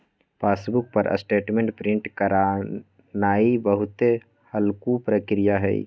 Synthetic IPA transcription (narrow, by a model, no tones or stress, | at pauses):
pʰaːsbʊk̚pəɾʔə̰sʈeːʈmẽɳʈpɾɪ̃ɳʈkəɾa | naːibəɦʊt̪e | həlkupɾəkɾijaɦɛḭ